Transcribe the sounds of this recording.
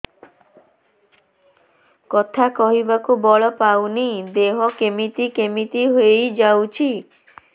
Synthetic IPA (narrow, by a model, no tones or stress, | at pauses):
kɔt̪ʰakɔɦibakubɔɭɔpawnid̪eɦɔkemit̪ikemit̪iɦoejd͡ʒawt͡ʃʰi